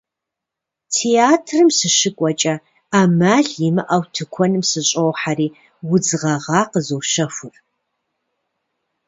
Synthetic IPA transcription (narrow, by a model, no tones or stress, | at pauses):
tʰeaːtʰrɨmsɨʃɨkʷʼɔt͡ʃʼɐ | aːmaːɮjimɨʔawtʰɨkʷʰɔnɨmsɨɕʼowħariː | wʊd͡zɨʁɐʁɑːqəzowʃɐfʷʊr